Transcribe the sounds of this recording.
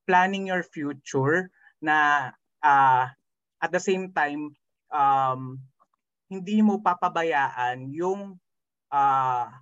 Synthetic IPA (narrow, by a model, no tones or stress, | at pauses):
planɪŋjɔɹfjuːt͡ʃʊɹ | nɐ | ʔa | ʔɐt̪̚d̪ɐsejmt̪ajm | ʔam | hɪnd̪imopɐpɐbɐjaːʔɐnjʊŋ | ʔa